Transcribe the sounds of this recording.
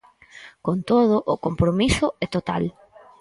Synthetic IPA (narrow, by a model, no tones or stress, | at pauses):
kont̪oð̞ʊʔʊkompɾomisʊɛt̪ot̪a̰l